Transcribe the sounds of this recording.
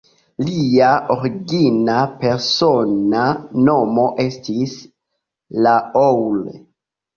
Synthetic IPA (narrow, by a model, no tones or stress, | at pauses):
liaʔoɾiɡinape̞ɾso̞nano̞mo̞ʔe̞stis | laowle